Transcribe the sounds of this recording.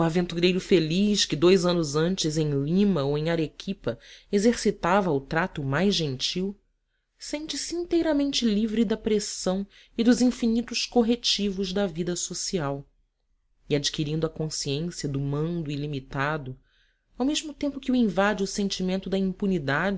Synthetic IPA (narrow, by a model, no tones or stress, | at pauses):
uavẽnt̪uɾejɾʊfeliʃkɪd̪ojzɐ̃nʊzɐ̃nt͡ʃɪzẽj̃lĩmɐowẽj̃aɾekʰipɐezeɾsit̪avɐʊt̪ɾat̪ʊmajzʒẽnt͡ʃiw | sẽnt͡ʃɪsiĩnt̪ejɾɐmẽnt͡ʃɪlivɾɪd̪ɐpɾesɐ̃w̃ | ɪd̪ʊzĩfinit̪ʊʃkoɦet͡ʃivʊʒd̪ɐvid̪ɐsosiaw | iad͡ʒikiɾĩnd̪ʊɐkõsiẽsiɐd̪ʊmɐ̃nd̪ʊilimit̪ad̪ʊ | awmeʒmʊt̪ẽmpʊkɪuĩvad͡ʒɪʊsẽnt͡ʃimẽnt̪ʊd̪ɐĩmpunid̪ad͡ʒɪ